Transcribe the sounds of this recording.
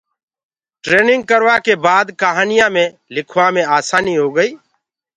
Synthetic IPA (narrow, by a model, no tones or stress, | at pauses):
ʈɾeːnɪ̃ŋɡ̚kəɾʋaːkeːbaːd̪kəɦaːnɪjãːmẽː | lɪkʰʋãːmẽːaːsaːniːɦoːɡəiː